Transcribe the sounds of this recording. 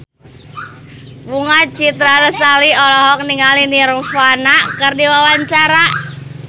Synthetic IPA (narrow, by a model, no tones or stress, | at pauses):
buŋat͡ʃit̪ɾadəsaliɔlɔɦɔk̚niŋaliniɾufanakɨrdiwawaɲt͡ʃaɾa